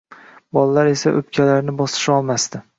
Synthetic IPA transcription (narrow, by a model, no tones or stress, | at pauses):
bɒlˠalːaɾe̞saʔɵ̰pkʲʰalaɾnɪbɒsɪ̥ʃɒlˠmast̪ɪ